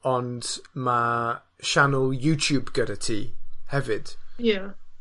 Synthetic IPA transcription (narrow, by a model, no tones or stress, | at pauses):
ɔndma | ʃanəlˠjuːtʰjuːbɡəɾatʰḭːhɛvɪd̥ja